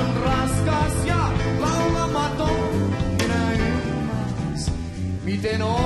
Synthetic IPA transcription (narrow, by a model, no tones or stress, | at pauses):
nrɑskɑsjɑlɑwlɑmɑt̪o | næi | is | mit̪eno